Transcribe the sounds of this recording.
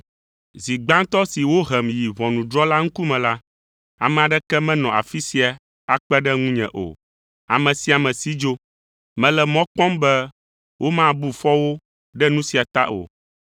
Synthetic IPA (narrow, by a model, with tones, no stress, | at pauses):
zi˨ɡ͡bã˦ŋ˦t̪ɔ˦si˨wo˦ɦɛ˨mji˨vɔ̃˨nũ˨dɾɔ˦la˦ŋ̩˦ku˦mɛ̃˨la˦ | a̰˨mɛ̃˨a˨ɖɛ˦kɛ˦mɛ̃˦nɔ̃˨a̰˨fi˦si˨a˨ | a˨k͡pɛ˦ɖɛ˦ŋũ˦ɲɛ̰̃˨ʔo̰˨ | a̰˨mɛ̃˨si˨˦a˨mɛ̃˨si˦d͡ʒo˦ | mɛ̃˨lɛ˨mɔ̃˦k͡pɔ̃˦mbɛ˦ | wʔo˦mã˦˨bu˦˨fɔ˦wo˦ | ɖɛ˦nũ˦si˨a˨t̪a˦ʔo̰˨